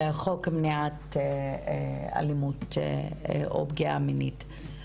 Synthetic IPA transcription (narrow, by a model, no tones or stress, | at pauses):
χokmniate | a̰limut | ʔo̰bɡia̰minit